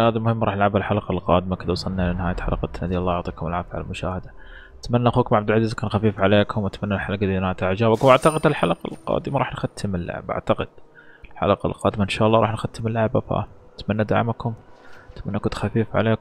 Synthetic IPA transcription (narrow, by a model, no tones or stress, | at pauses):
haːðalmʊhɪmːɾˤɑːħnɪlʕabalħalɑqɑlqɑːd̪ɪmakɪd̪awsˤɑlnalnɪhaːjat̪ħalaqɑt̪nad̪ilˤːɑːʕʊʕt̪ˤiːkʊmɪlʕaːfʕa̰lmʊʃa̰ːhɪd̪a | ʔat̪manːaʔaxuːkʊmʕabd̪alʕaziːzkaːnxafiːfʕaleːkʰʊmwat̪manːalħalaqalinaːt̪aʕd͡ʒaːbakʊmʔaʕt̪ɑqɪd̪ɪlħalaqɑlqɑ̰ːd̪ɪmaɾˤɑ̰ːħnxat̪ʰːɪmɪlːa̰ʕbʔa̰ʕt̪ɑqɪd̪̥lħa̰laqɑ̰lqɑːd̪ɪmaʔɪnʃaːʔɑlːɑːɾˤɑːħnxat̪ːɪmɪlːaʕba̰fa̰t̪manːad̪a̰ʕmkʰʊmt̪manːakʊt̪xafiːfʕa̰leːk